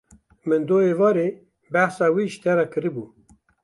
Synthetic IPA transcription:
mɨnd̪oːevɑːɾe | bæhsaːwiʃt̪ʰɛɾakʰɨɾibu

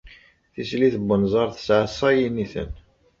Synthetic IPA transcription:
θisliθəbːənzˤɑɾˤθə̥sʕəsˤɑjiniθə̰n

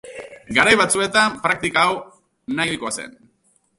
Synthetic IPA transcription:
ɡaɾajβat͡sue̞t̪ampɾak̚t̪ikaːw | najkoase̞̰n

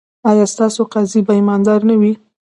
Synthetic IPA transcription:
ɑjɑst̪ɑsoqɑzibajmɑnd̪ɑɾnawi

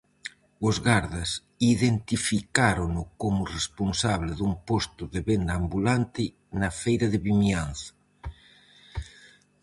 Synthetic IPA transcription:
ʊzɣaɾðas | iðent̪ifikaɾonʊkomʊresponsaβlɪðumpost̪ʊðeβend̪aːmbulant̪ɪ | nɐfejɾɐðɪβimianθḁ

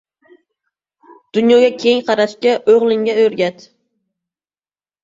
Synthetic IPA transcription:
d̪̥ʊnjɒɡʲakʲʰeŋqʰɑɾaʃkʲaʔoʁlˠɪŋɡʲaɵɾɡʲat̪

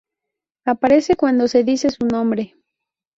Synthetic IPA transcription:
apaɾe̞se̞kwand̪o̞se̞ðisesunõ̞mbɾe

